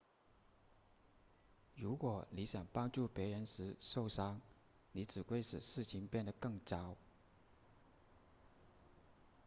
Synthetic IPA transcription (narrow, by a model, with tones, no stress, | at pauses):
ɻu˧˥kwɔ˨˩ni˧˥ɕjɑ˨˩ŋpɑ˥ŋʈ͡ʂu˥˩pjɛ˧˥ɻə˧˥nʂɻ̩˧˥ʂo˥˩ʊʂɑ˥ŋ | ni˧˥ʈ͡ʂɻ̩˨˩kwe˥˧ɪʂɻ̩˨˩ʂɻ̩˥˩t͡ɕʰi˧˥ŋpjɛ˥˩nd̪ə˩kɤ˥˩ŋt͡sɑ˥ʊ